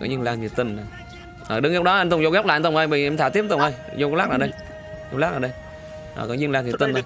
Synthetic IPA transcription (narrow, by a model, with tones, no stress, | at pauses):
kɔ˨˦ɲɨ˧nlaː˧ŋt̪ʰi˨˩ə˩t̪i˧ŋa˨˩ | ʔəː˨˩ɗɨ˨˦ŋ˧˨˧w̚ɗɔ˨˦˧nt̪ŋ͡mzɣaː˦˥p̚laː˨˧˨nt̪ŋ͡mʔə˧jɓə˧˨˧t̪ʰaː˧˩t̪i˦˥p̚t̪ʊ˧˩ŋ͡mʔə˧jzo˧kɔ˧˦laː˦˥naː˨˩˨ɗə˧j | o˧ŋ͡mlaː˦˥k̚aː˨˩ɗə˧j | ʔəː˨˩kɔ˨˦ɲɨ˧ŋlaː˧nt̪i˨˩t̪i˧nt̪ʰː